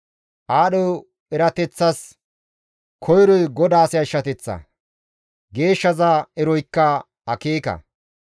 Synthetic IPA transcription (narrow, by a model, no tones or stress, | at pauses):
ʔaːɗɔw | ɛɾɐt̪ɛt͡sːɐs | kʰɔjɾɔjɡɔd̪aːsɪjɐɪʃːɐt̪ɛt͡sːɐ̰ | ɡe̞ːʃːɐzaɛɾɔjkːɐ | ɐkeːkɐ̰